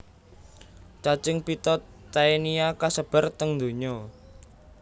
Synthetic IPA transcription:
t͡ʃat͡ʃɪŋpit̪ɔt̪ː | aeniakasəb̥ə̤rt̪əŋd̪oɲɔ

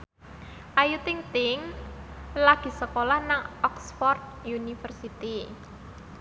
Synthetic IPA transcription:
ʔajut̪ɪŋt̪ɪŋ | laɡ̥i̤səkolahnaŋɔksfɔrt̪̚junifərsit̪i

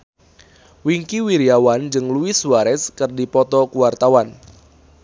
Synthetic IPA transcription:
wiŋkiwiɾiawand͡ʒɨŋluiswaɾɛskɨrdipɔt̪ɔkuwart̪awan

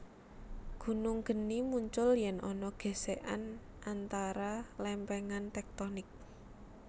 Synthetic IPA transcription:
ɡ̥ṳnuŋɡ̥ə̤nimuɲt͡ʃʊljɛnʔɔnɔɡ̥e̤seʔa̰n | ʔant̪aɾalɛmpɛŋant̪ɛk̚t̪ɔnɪk̚

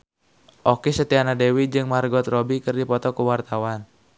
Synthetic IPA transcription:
ʔɔkisət̪ianadɛwid͡ʒɨŋmarɡɔt̪rɔbikɨrdipɔt̪ɔkəwart̪awan

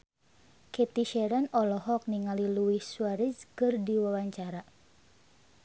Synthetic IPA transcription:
kɛt̪iʃɛɾanɔlɔɦɔk̚niŋaliluisuaɾiskɨrdiwawaɲt͡ʃaɾa

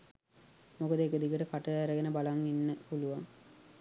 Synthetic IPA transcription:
mokəd̪əekəd̪ikəʈəkaʈəæɾəɡenəbalaŋinːəpuluʋaŋ

